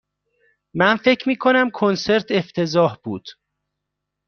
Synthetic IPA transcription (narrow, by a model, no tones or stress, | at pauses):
mænfe̞cʰmiːkʰo̞næmkʰonse̞ɾt̪ʰe̞ft̪ʰe̞zɒːhb̥uːd̪̥